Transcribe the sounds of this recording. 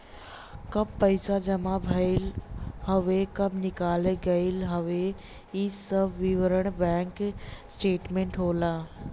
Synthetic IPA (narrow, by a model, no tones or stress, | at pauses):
kɐb̚pɐɪsad͡ʒɐmabʱɐilhɐʋekɐbnɪkaːleɡɐilɦɐʋe | isɐbʋiʋəɾəɽ̃bɛ̃ːŋksʈeːʈmẽɳʈɦoːlaː